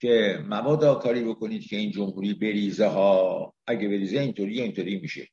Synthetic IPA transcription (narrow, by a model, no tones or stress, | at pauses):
cʰe̞mævɒːd̪ɒːkʰɒːɾiːbo̞ko̞niːd̪̥cʰe̞iːnd͡ʒomhuːɾiːbe̞ɾiːzeɦɒː | æɟebe̞ɾiːzeint̪ʰoɾiːjeint̪ʰoɾiːmiʃḛ